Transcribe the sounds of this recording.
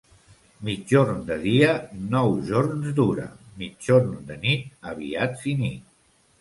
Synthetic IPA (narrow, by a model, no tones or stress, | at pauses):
mid͡ʒoɾnd̪əðiənɔwʒoɾnzd̪uɾə̰mid͡ʒoɾnd̪ənit̪̚əβ̞ḭadd͡zini